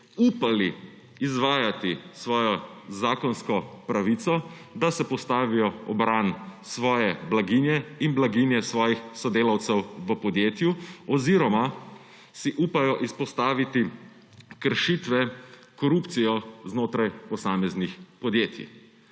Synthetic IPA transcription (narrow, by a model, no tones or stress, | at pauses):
upaliː | zʋaːjat̪isʋɔːjɔzaːkɔnskɔpɾaʋit̪sɔ | d̪asɛpɔst̪aːʋijɔɔbɾansʋɔːjɛblaɡinjɛinblaɡinjɛsʋɔːjixsɔd̪eːlawt̪sɛwʋəpɔd̪jeːt̪juɔziːɾɔma | siʔupajɔʔispɔst̪aːʋit̪i | kəɾʃit̪ʋɛ | kɔɾuːpt̪sijɔznoːt̪ɾajpɔsaːmɛznixpɔd̪jeːt̪ḭ